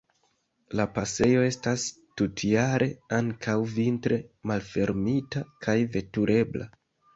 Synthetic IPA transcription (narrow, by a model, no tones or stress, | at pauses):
lapase̞jo̞e̞stas | tutʰiaɾʔe̞aŋkʰawvintɾe̞malfe̞ɾmitakʰajve̞tuɾʔe̞bla̰